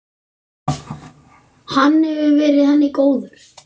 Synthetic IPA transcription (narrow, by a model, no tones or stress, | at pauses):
hanːhɛvʏvɛːɾɪðhanːɪkoːwðʏɾ̥